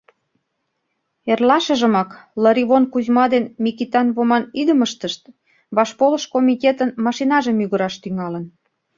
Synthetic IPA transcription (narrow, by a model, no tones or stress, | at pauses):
erlɑʃə̆ʒə̆mɑkləɾiβonkuʑmɑd̪enmʲikit̪ɑnβomɑnid̪ə̆məʃt̪əʃt̪ | βɑʃpolə̆ʃkomʲit̪ʲet̪ənmɑʃinɑʒə̆myɣəɾɑʃt̪yŋɑlə̆n